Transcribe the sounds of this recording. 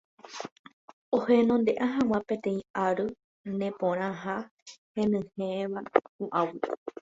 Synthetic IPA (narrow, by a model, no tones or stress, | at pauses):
ohenõnd̪e̞ʔaɦãw̃ãpẽt̪ẽ̞ĩaɾɨ | nẽpõɾ̃ãɦahẽnɨ̃heʋauʔawɨ